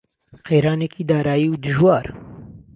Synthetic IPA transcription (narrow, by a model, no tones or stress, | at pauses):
qeːɾaːneːkiːd̪aːɾaːjiːwd̪ɨʒwɑːɾ